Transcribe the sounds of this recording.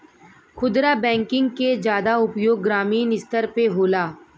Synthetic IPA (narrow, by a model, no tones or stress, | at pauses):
xʊd̪ɾabɛ̃ːŋkɪ̃ŋɡked͡ʒjaːd̪aʊpjoːɡːɾaːmiːnɪst̪əɾpeɦoːlaː